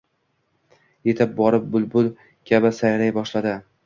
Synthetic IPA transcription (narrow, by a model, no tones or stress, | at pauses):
je̞t̪ʰɪp̚bɒɾɪp̚bʊlˠbʊl | kʲʰabɪsajɾajbɒʃlad̪ɪ